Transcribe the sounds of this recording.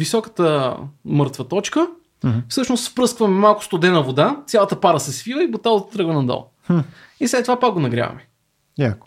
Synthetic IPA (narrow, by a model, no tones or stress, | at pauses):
visɔkə̥t̪əmɤɾt̪vət̪ɔt͡ʃkə | fsɤʃnost̪fpɾɤskvɐmɛmalˠkʊ̥st̪od̪ɛnɐvod̪at̪sʲjalˠɐt̪əpaɾəsɛsvivəibot̪alˠzt̪ɾɤɡvənɐd̪ɔ̰lˠ | islɛt̪ːovapak̚ɡonɐɡɾʲia̰vɐ̰mɛ | jakʊ̥